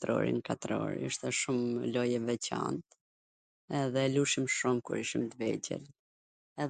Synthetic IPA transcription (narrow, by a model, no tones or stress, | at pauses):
t̪ɾɔ̰ɾḭnkat̪ɾɔ̰ɾə̰ʃt̪ɛʃumlɔjɛvɛt͡ɕa̰nt̪ | ɛðɛluʃimʃumkṵɾiʃimd̪vɛd͡ʑɛ̰l | ɛ